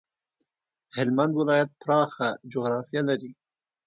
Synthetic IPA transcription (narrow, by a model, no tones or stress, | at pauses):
hɪlmand̪wilɑːjat̪̚pɾɑːxad͡ʒoɣɾɑːfijalɐɾi